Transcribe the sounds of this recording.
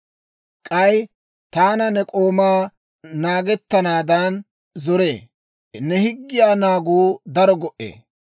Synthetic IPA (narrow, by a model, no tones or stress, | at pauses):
kʼɐj | t̪aːnɐnɛkʼo̞ːmaː | naːɡɛt̪ːɐnaːd̪ɐn | zɔɾeː | nɛhɪɡːɪjaːnaːɡuːd̪ɐɾɔɡɔʔḛː